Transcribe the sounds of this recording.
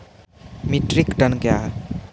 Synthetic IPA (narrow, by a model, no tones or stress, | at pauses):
miʈɾikʈənkeaɦ